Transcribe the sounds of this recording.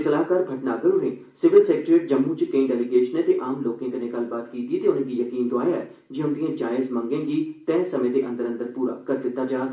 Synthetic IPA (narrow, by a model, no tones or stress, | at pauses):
səlaːkaːɾbʱəʈnaːɡəɾʊnẽːsɪʋɪlsɛːk̚ʈɾeːʈ̚d͡ʒəmːũːd͡ʒkəĩːɖɛːliɡeːʃənẽːt̪eːʔaːmloːkẽːkənẽːɡəlːbaːt̪kiːt̪iːt̪eːʊnẽːɡ̪iːjəkiːnd̪oaːjaːɛ | d͡ʒeːʊnd̪ijãːd͡ʒaːɪzmə̃ŋɡẽːɡiːt̪ɛ̃ːsəmẽːd̪eːʔə̃nd̪əɾə̃nd̪əɾpuːɾa̰ːkəɾd̪ɪt̪ːaːd͡ʒaː